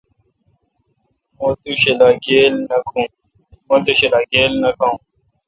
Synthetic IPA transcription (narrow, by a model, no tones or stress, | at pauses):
mõːt̪uɕelaːɡeːlnɐkʰũː | mõːt̪eɕelaːɡeːlnɐkʰaːũː